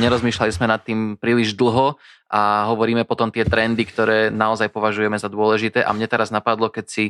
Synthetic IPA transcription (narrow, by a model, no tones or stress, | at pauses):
ɲɛɾɔzmiːʃlalizmɛnat̪ːiːmpɾiːliʒd̪l̩ˠɦɔ | ʔaɦɔʋɔɾiːmɛpɔt̪ɔmt̪ɪɛt̪ɾɛnd̪ikt̪ɔɾɛːnaɔzajpɔʋaʒujɛmɛzad̪ʊɔlɛʒit̪ɛːʔa̰mɲɛt̪ɛɾaznapad̪lɔkɛcsi